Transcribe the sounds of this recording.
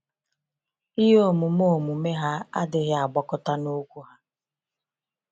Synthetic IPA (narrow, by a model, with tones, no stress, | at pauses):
i˦ɦo˦mu˨mo˦˨mu˨me˦ɦa˦a̰˦dɪ˨ɣɪ˦a˨ɡ͡bɔ˦kʊ˦ta˦no˦kʷu˦ɦa˦